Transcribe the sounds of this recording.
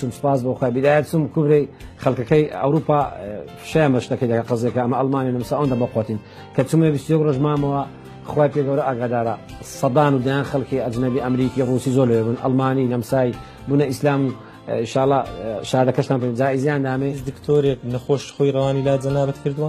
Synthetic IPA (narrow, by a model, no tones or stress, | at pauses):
t͡ʃumsɨ̥paːs̬boːxwajbid̪aːjɐt̪t͡sumkʰubɾejxɐlkɐkɐjɐ̰wɾuːpa | ʃɐjaːnbɐʃt̪ɐkɐjd̪ɐkaqɨzjɛkaɐmɐʔɐlmaːnijanɐmsaːʔond̪abɐqwat̪in | kʰɐt͡ʃumebist̪ujɛkroʒmaːmɐwɐ | xwaːjpeːɡɐwɾɐʔaɡad̪aːɾɐ | sɐd̪aːnud̪ɐjaːnxɐlkiɐd͡ʒnɐbiʔɐmɾiːkiruːsiːzoːɾlɐwebunʔɐ̰lmaːninɐmsaːj | buːnɐislaːmu | inʃaːlˠːɑʃaːhd̪ɐkɐʃt̪aːnpend͡ʒaːʔizijaːnd̪aːmezd̪ɨkt̪ʰoːɾeknɐxoːʃxojrˤɑwaːnilaːd͡ʒɐnaːbɐt̪kʰɨɾd̪uwa